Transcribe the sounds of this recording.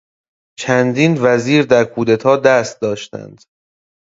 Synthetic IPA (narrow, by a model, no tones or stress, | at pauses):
t͡ʃʰænd̪iːnvæziːɾd̪æɾkʰuːd̪et̪ʰɒːd̪æst̪̚d̪ɒːʃt̪æ̰nd̪̥